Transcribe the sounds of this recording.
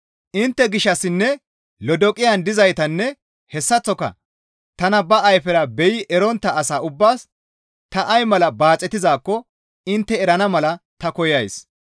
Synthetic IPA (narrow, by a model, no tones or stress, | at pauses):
ʔɪnt̪ːɛɡɪʃːɐsːɪnːɛ | lɔd̪ɔkʼːɪjɐnd̪ɪzɐjt̪ɐnːɛ | hɛsːɐt͡sːɔkɐ̰ | t̪ɐnɐbɐːjfɛɾɐbɛjɪʔɛɾɔnt̪ːɐːsaːʊbːaːs | t̪ɐʔɐjmɐlɐbaːt͡sʼːɛt̪ɪzaːkːɔ | ɪnt̪ːɛɛɾɐnɐmɐlɐt̪ɐkɔjɐjs